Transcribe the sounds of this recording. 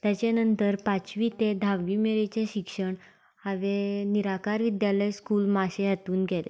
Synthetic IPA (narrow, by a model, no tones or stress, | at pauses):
t̪jat͡ɕjanənt̪əɾpat͡ɕʋiːt̪ed̪ʱaʋːimeɾet͡ɕjaɕikʂəɳ | aʋeniɾakaɾʋid̪jaləjskulmaɕeɦat̪uːnɡɛle